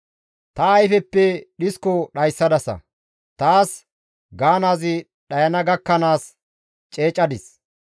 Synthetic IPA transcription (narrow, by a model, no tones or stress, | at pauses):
t̪ɐːjfɛpːɛɗɪskɔɗɐjsːɐd̪ɐsɐ̰ | t̪aːs | ɡaːnaːzɪ | ɗɐjɐnɐɡɐkːɐnaːs | t͡ʃʼe̞ːt͡ʃʼːɐd̪ɪs